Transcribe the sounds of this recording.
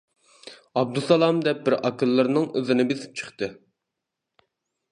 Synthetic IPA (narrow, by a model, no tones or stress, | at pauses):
ɑb̚d̪usɑlˠɑmd̪ɛp̚bɪɾʔɑkɨlˠːɨɾnɨŋøzɪnɪbesɪ̥p̚t͡ʃʰə̥χt̪ɨ